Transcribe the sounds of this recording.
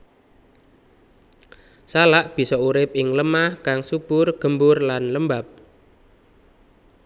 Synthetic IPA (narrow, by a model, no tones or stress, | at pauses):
salaʔb̥i̤sɔuɾɪp̚ɪŋləmahkaŋsub̥ʊrɡ̥ə̤mbʊrlanləmbap̚